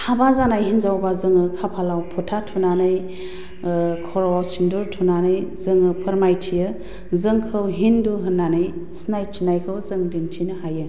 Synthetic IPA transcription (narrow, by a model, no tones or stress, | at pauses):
hʰabazanajɦinzawbazɯŋɯkʰapʰalawpʰutʰatʰunanɯj | kʰɔɾɔsinduɾtʰunanɯjzɯŋɯpʰɯɾmajtʰijɯ | zɯŋkʰɯwɦinduɦɯnːanɯjsnajtʰinajkʰɯwzɯŋdintʰinɯhajɯ